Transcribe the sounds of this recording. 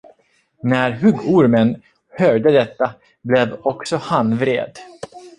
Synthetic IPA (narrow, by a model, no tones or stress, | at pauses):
næɾɦɵɡːʊɾmən | hœːɖəd̪ɛt̪ːa | blɛvɔksɔhanvɾḛːd̪